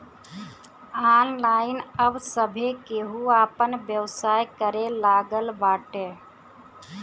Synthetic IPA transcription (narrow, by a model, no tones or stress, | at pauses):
aːnlaːɪnəbsəbʱekeɦuaːpənbjəwsaːjkəɾelaːɡəlbaːʈe